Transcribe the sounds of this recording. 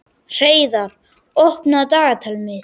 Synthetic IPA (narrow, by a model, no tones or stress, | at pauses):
r̥ejðaɾ | ɔhpnad̪aːat̪ʰalmɪ